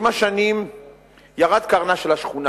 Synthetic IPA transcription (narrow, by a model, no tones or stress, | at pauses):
maʃanim | jaʁad̪kaʁnaʃelaʃχuna